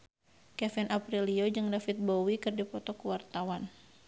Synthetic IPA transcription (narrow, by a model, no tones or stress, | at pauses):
kɛfinʔapɾiliod͡ʒɨŋdafit̪̚bowikɨrdipɔt̪ɔkuwart̪awan